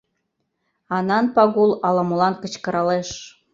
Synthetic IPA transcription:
ɑnɑnpɑɣulɑlɑmolɑnkət͡ɕkɤ̆ɾɑleʃ

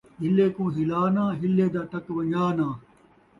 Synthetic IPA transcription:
ɦɪleːkõːɦɪlaːnãːɦɪlːeːd̪aːʈɐkʋɐ̃ɲaːnãː

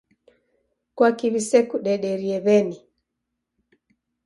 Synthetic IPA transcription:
kwakiβisɛkuɗɛɗɛɾiɛβɛni

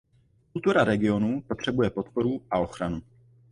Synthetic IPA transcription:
kult̪uɾaɾɛɡɪo̞nupo̞t̪r̥ɛbujɛpo̞t̪po̞ɾuʔao̞xɾanu

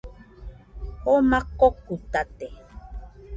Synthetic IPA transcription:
omakokut̪at̪e

